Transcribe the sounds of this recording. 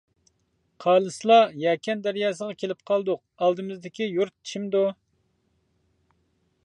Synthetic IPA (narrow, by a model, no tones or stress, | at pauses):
qʰɑːlˠɨslˠɑjɛkʲʰɛnd̪æɾjɑːsəʁɑkʲʰelɪp̚qʰɑlˠd̪ʊq̚ | ɑlˠd̪ɨmɨzd̪ɪkʲijuɾt̪̚i̥t͡ʃʰimd̪u